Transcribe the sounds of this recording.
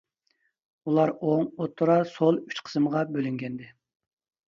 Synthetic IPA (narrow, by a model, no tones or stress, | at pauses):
ulˠɑɾoŋot̪ːuɾɑsolˠyt͡ʃqʰə̥sɨmʁɑbølyŋɡʲɛnd̪ɪ